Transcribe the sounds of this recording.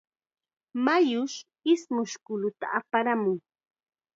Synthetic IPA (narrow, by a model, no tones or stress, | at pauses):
majʊʃ | ɪsmʊʃkʊlʊt̪a̰apaɾamʊŋ